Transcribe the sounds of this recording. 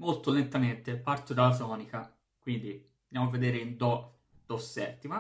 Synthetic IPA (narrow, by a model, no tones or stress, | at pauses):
molt̪olent̪ament̪epart̪od̪alːat̪ɔːnika | kwind̪i | od̪jaːmoavːed̪eːɾeind̪ɔ | d̪̥ɔsːɛt̪ːima